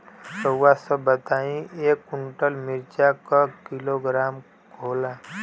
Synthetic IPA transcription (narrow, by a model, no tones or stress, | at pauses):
səwasəbət̪aːĩeːkːʊɳʈəlmɪɾt͡ʃakakɪloɡɾaːm | kʰoːlaː